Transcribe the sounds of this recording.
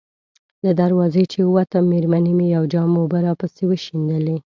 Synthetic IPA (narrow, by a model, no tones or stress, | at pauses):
ləd̪aɾwɑzet͡ʃewat̪ameɾmanimejawd͡ʒɑmːobəɾɑpəsewəʃind̪əle